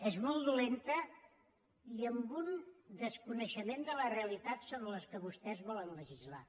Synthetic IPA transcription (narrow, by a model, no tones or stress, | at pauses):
ɛzmɔlˠd̪ulent̪ə | iəmbund̪əskunəʃəmend̪ələreəlit̪at̪soβɾələskəβust̪ɛzβɔlənləʒizla̰